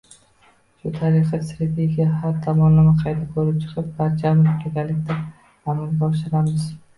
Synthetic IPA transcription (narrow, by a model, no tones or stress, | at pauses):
ʃʊt̪ʰaɾɪχɨsɾed̪iɡʲahaɾt̪ʰɒmɒnːamaqʰɑjd̪akʰɵɾɪp̚t͡ʃʰɨ̥qʰɨp̚baɾt͡ʃʰamɪkʲʰeɡ̪ʲalɪkʲt̪ʰa | namanɡʲɒʃɪɾamɪz